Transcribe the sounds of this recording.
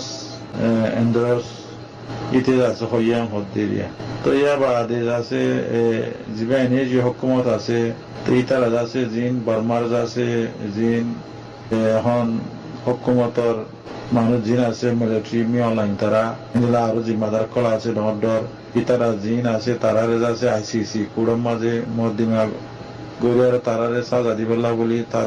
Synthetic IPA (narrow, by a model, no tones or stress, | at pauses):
s | ɛnd̪ɾos | it̪ʰezaseɦɔjamɦɔt̪̚d̪eɾḭa̰t̪ɔijabad̪ezase | zibaɛneziɔɦukːumɔt̪ase | t̪eit̪aɾazasezinbaɾmaɾzasezinː | kɔn | hɔkːumɔt̪ɔɾ | manuzinasemeleʈɾimiɔ̃nlajnt̪aɾaind̪ilaːɾozimːad̪aɾkːɔlaːsʰeɖɔŋɔɖɔɾ | kit̪aɾazinasʰet̪aɾaɾezaseajsisikuɽɔmazemɔd̪ima | ɡoɾiaɾɔt̪aɾaɾesazad̪ibalabolit̪aɾ